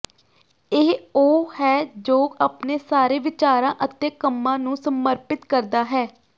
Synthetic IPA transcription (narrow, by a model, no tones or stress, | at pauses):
ɪɦoːhɛːd͡ʒoːapneːsaːɾeːʋɪt͡ʃaːɾãːʔət̪eːkəmːãːnũːsəməɾpɪt̪kəɾd̪aːɦɛː